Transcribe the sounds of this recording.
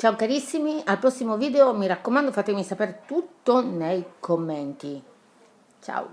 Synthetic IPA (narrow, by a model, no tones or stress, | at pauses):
t͡ʃawkaɾisːimialpɾɔsːimoviːd̪eomiɾakːomand̪ofat̪emisapeɾt̪ut̪ːonejkʰomːent̪i | t͡ʃa̰w̰